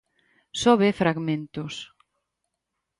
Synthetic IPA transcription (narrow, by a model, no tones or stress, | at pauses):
soβefɾaɣmẽnt̪ʊs